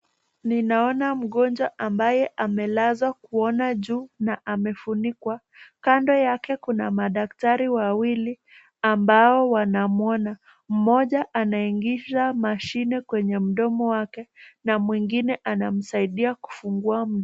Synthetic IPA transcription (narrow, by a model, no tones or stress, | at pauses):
ninaɔnam̩ɠɔnd͡ʒwaʔambajɛʔamɛlazwakuɔnaʄuːnaʔamɛfunikwa | kandɔjakɛkunamaɗaktaɾiwawili | ambaɔwanamuɔna | m̩mɔʄaʔanaiŋɡizamaʃinɛkwɛɲɛm̩ɗɔmɔwakɛnamwiŋɡinɛʔanam̩saiɗiaku̥fuŋɡuam̩